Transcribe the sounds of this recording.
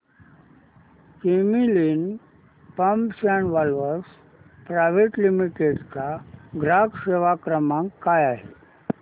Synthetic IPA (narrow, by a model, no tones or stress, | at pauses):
kemilin | pəmpsanʋalʋəɾs | pɾajʋeʈlimiʈeɖt͡saɡʱɾakseʋakɾəmãŋkːajaɦe